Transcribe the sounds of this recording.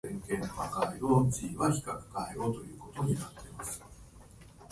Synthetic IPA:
ẽŋkẽ̞nːoβa̰kaiɾoːt͡ɕiːβaçi̥kakɯ̟̥kaeo̞ːt̪o̞jɯ̟ːko̞t̪o̞ɲ̟inat̪ːe̞masɨ̥

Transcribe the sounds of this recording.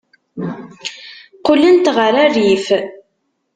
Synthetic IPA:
qʊlːənt̪ʁəɾærif

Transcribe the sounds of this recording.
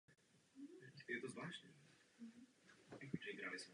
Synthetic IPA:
jɛt̪ozvlaːʃnɛ | ʒɛiɡɾaːlism

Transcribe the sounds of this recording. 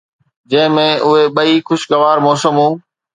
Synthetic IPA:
d͡ʑɐ̃ɦɪ̃mẽːʔʊɦeɓəiːxʊʃɡəʋaːɾmɔːsəmɦũː

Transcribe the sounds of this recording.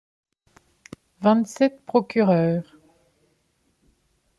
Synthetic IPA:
vɛ̃t̪sɛt̪pχɔkʲyʁœːʁ

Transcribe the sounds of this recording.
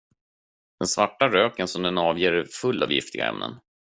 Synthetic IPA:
d̪̥ɛnsvaʈːaɾøːkənsɔmd̪ɛnɑːvjeːɾfɵlːɑ̰ːvjɪ̰ft̪ɪɡa̰ɛ̰mnə̰n

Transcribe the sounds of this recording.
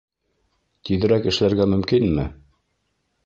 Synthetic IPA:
t̪iðɘ̆ɾækɘ̆ʃɘ̆læɾɡæmɵ̆mkinmɘ

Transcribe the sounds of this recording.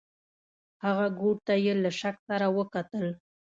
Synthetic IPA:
haɣaɡoɽ̚t̪ajelaʃaksaɾawəkat̪əl

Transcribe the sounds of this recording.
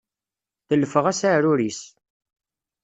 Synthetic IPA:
θəlːəfəʁæsaʕɾʊɾis

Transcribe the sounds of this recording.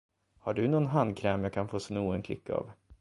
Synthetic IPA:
haɖɵnɔnɦand̪̚kʰɾɛːmjaːkʰanfoːsnuːənkʰlɪ̰kːa̰ːv

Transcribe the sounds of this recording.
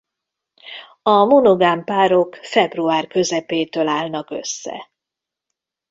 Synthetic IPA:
ɒmonoɡaːmpaːɾo̞kfɛbruaːrkø̞zɛpeːt̪øːlaːlnɒkø̞̰sːɛ̰

